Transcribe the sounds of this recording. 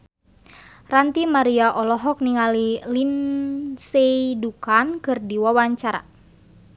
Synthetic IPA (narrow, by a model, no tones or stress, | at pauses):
rant̪imaɾiaʔɔlɔɦɔk̚niŋalilinseidukankɨrdiwawaɲt͡ʃaɾa̰